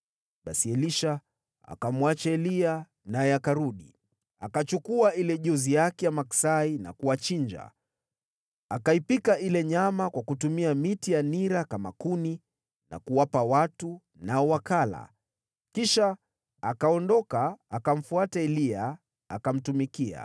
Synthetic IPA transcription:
ɓasiɛliʃa | a̰kamwat͡ʃaɛlia | najɛakaɾuɗi | a̰kat͡ʃukuailɛʄɔzijakɛjamaksaina̰kuwat͡ʃiɲd͡ʒa̰ | akaipikaʔilɛɲamakwakutumiamitijaniɾakama̰kuni | na̰kuwapawatu | naɔwakala̰ | kiʃa | akaɔndɔkaːkam̩fuataɛlia | akam̩tumikia̰

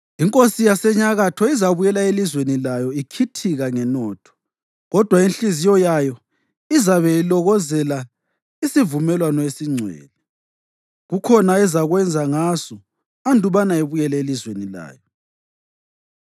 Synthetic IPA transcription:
iŋkʼosijasɛɲaɣatʰɔizaβujɛlaelizwenilajɔikʰitʰiɣaŋɛnɔːtʰɔ̥ | ɣɔd̥ʱwainɬizijɔjajɔ | izaβɛilɔɣɔzɛla | isivumɛlwanɔesiŋ͡ǀʱwɛ̰ːlɛ | ɣukʰɔnaɛzaɣwɛnd͡zʱaŋasɔ | andʱuβanaeβujɛlɛelizwenila̰ːjɔ

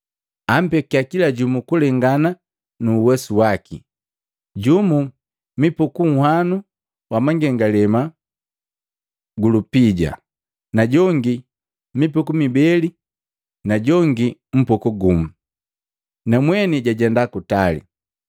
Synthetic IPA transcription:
am̩pɛkiakilaɟumukulɛŋɡana | nuːwɛsuwaki | ɟumu | mipukuŋ̩hwanu | wamaŋɡɛŋɡalɛma | ɡulupiɟa̰ | naɟɔŋɡi | mipukumibɛli | naɟɔŋɡim̩pɔkuɡumu | namwɛniɟaɟɛndakutalḭ

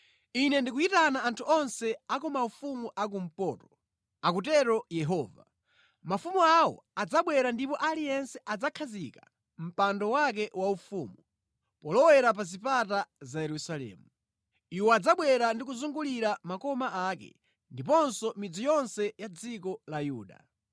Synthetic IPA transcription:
inɛndikuitanaantʰuʔɔnsɛakɔmaufumuʔak̬um̩pɔːtɔ̥ | ak̬ut̬ɛɾɔjɛɦɔːva̰ | mafumuawɔ̰ad͡zaɓwɛɾandipɔʔalijɛnsɛʔad͡zakʰazika̰ | m̩pandɔwak̬ɛwaufumu | pɔlɔwɛɾap̬azipatazajɛɾusalɛ̰ːmu | iwɔad͡zaɓwɛɾandik̬uzuŋɡuliɾamakɔmaʔakɛ̰ | ndipɔnsɔmid͡zijɔnsɛjad͡zikɔlajuːɗa̰

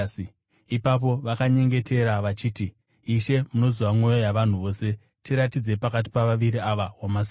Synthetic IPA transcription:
ipap̬o̞ʋakaɲe̞ŋɡe̞te̞ɾaʋat͡ʃiːtiː | ʃe̞muno̞zwamo̞jojaʋan̤uʋo̞ːse̞ | tiɾatid͡ze̞pakat̬i̥paʋaʋiɾiaʋawamas

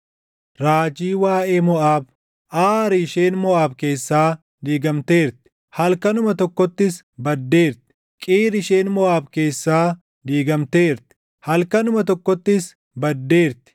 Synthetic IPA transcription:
ɾaːd͡ʒiːwaːʔeːmɔʔaːb | ʔaːɾɪɪʃeːnmɔaːbke̞ːsːaː | d̪iːɡɐmt̪e̞ːɾt̪ɪ̥ | hɐlkɐnʊmɐt̪ɔkːɔt̪ːɪs | bɐd̪ːe̞ːɾt̪ɪ̥ | kʼiːɾɪʃe̞ːnmɔʔaːbke̞ːsːaː | d̪iːɡɐmt̪e̞ːɾt̪ɪ̥ | hɐlkɐnʊmɐt̪ɔkːɔt̪ːɪs | bɐd̪ːe̞ːɾt̪ɪ̥

